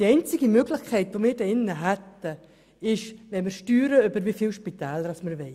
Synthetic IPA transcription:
d̥iɛɪnt͡sɪɡimøɡlɪxkʰɛɪtʋomiːɾdɛɪnːəɦɛtə | ɪʃʋɛnməɾʃtyːɾəʏbəɾvifiːlʃpit̪ɛːləɾasməɾʋɛɪ

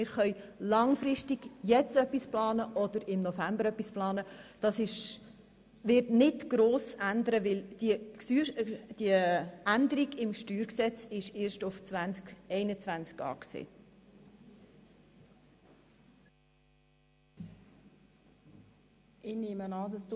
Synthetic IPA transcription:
ɪːɾχœʏlɑŋfɾɪʃtiɡ̥jɛt͡stœpːisplɑːnəʔɔd̥̪əɾɪmnɔfæmbəɾœpːisplɑːnəd̥ɑsɪʃ | ʋɪrtnɪtɡ̥ɾoːsænd̪əɾəʋɪld̥isyd̥iəænd̪əɾiɡɪmʃtyːɾksɛt͡sɪʃeːɾʃtʊft͡svænt͡skɛɪnət͡svænt͡skɑ̰ːksḛː | ɪneːmənɑːdɑs

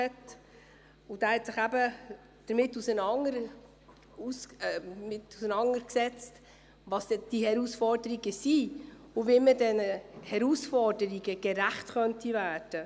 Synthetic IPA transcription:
ɛt | ud̥æːhɛtsɪχæbə | d̥əɾmɪtːusənɑŋəɾ | usmɪtusənɑŋəɾksɛt͡st | ʋɑsɛd̥ihɛɾusfɔɾdəɾiɡəsi | uvimədɛnəhɛɾusfɔɾdəɾiɡəɡ̥ɛɾæχtχœntivæːɾd̥ə

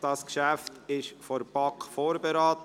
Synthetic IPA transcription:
d̥ɑskʃæftɪʃfɔɾb̥ɑkfoːɾbeɾɑːt̪

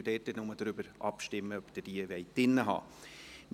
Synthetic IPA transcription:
deːtənɔməd̥̪ɾʏbəɾʔɑ̰pʃtɪmːəœpd̥̪əd̥iːəvɛɪtːɪnːəɦɑ̰ː | m

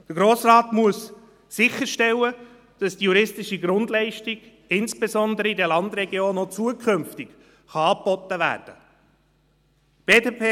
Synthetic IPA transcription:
d̥əɾɡɾoːsrɑːt̪muəsː | ɪçəɾʃtɛlːə | d̥ɑsd̥ijuɾɪstɪʃiɡɾʊndlɛɪʃtɪɡ | ɪnsb̥esɔnd̪əɾəidɛlɑnd̪ɾɛɡjoːnot͡suəkʰɵmftɪk | χɑɑːpːɔt̪ːəvæ̰ːɾd̥ə | b̥eːdeːpʰeː

